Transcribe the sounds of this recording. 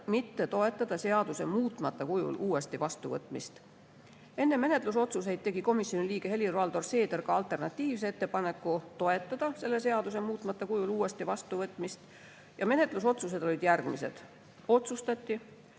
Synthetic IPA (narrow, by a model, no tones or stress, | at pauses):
mit̪ːe̞t̪o̞e̞t̪ːˑɑd̪̥ɑse̞ɑd̪̥use̞muːt̪ːˑmɑt̪ːˑɑkujṵlʔuːe̞st̪ivɑst̪uvɤt̪ːˑmist̪ | e̞nːe̞me̞ne̞t̪ˑluso̞t̪sus̬e̞jd̪̥̚t̪e̞ɡ̥iko̞misjo̞niliːɡ̥e̞he̞lʲirvɑld̪o̞rse̞ːd̪̥erkɑɑlt̪ːˑe̞rnɑt̪ʲˑːiːvs̬eet̪ːepɑne̞kːˑut̪o̞e̞t̪ːˑɑd̪̥ɑse̞lːe̞se̞ɑd̪use̞muːt̪ˑmɑt̪ːˑɑkujuluːe̞st̪ivɑst̪uvɤt̪ːˑmist̪ | jɑme̞ne̞t̪luso̞t̪sus̬e̞d̪̥o̞lʲid̪̥jærɡ̥mise̞̰d̪̥ | o̞t̪sust̪ɑt̪ʲːi